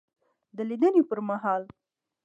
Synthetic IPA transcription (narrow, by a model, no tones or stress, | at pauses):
d̪əlid̪ənepəɾmaɦɑl